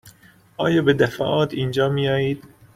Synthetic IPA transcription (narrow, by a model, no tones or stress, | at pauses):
ɒːjɒːbed̪æfæ̰ːʔɒːt̪ʰiːnd͡ʒɒːmijɒːjiːd̪̥